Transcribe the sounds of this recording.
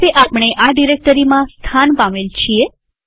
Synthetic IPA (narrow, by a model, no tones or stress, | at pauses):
eʔapɽ̃eʔaɖiɾek̚ʈəɾimãst̪ʰanpãmelt͡ʃʰie